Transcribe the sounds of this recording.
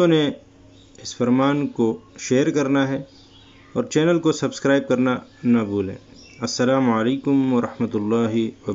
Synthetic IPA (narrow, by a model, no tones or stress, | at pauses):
õne | ɪsfɐɾmaːnkoʃeːɾkɐɾnaɦɛ | ɔːɾt͡ʃɛːnəlkosɐbskɾaːɪb̚kɐɾnanɐbuːlḛ̃ː | ɐsːɐlaːmɐleːkʊmwɐɾɐħmət̪ʊlːaːɦiwɐb